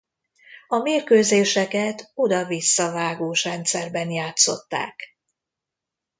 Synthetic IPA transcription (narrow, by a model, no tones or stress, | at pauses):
ɒmeːrkøːzeːʃɛkɛt̪o̞d̪ɒvisːɒvaːɡoːʃɾɛnt̪sɛrbɛnjaːt̪so̞t̪ːa̰ːk